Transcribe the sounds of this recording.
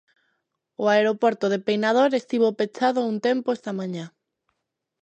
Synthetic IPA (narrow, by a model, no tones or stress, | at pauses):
oaeɾopoɾt̪oðepejnað̞oɾest̪iβopet͡ʃaðount̪empoest̪amãɲa